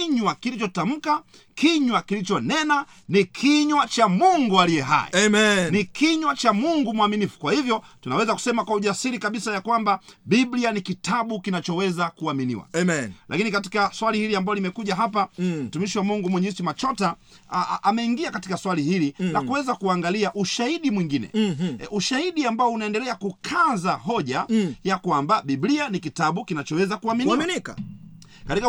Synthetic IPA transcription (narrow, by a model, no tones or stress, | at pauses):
ɲwakilit͡ʃɔtam̩ka | kiɲwakilit͡ʃɔnɛna | nikʰiɲwat͡ʃamuŋɡualijɛɦa̰jḭnikiɲwat͡ʃamuŋɡumuaminifu̥kwahivjɔtunawɛzaku̥sɛmakwauʄasiɾikaɓisajakwambaɓiblianikitʰaɓukinat͡ʃɔwɛzakuaminḭwa̰lʔa̰kinikati̥kaswalihiliambaɔlimɛkuʄaɦapam̩tumiʃiwamuŋɡumwɛɲɛsimat͡ʃɔta | amɛiŋɡiakatikaswalihilinakuwɛzakuaŋɡaliaʔuʃahiɗimwiŋɡinɛ̰uʃahiɗiambaɔunaɛndɛlɛakukʰazaɦɔʄajakwambaɓiblianikitaɓukinat͡ʃɔwɛzakuaminiwnika | katika